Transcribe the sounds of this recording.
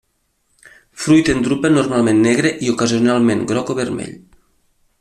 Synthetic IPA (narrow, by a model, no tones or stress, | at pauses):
fɾujt̪end̪ɾupenuɾmalˠmẽnːɛɣɾeʔiukaziunalˠmẽŋɡɾɔkoβermḛʎ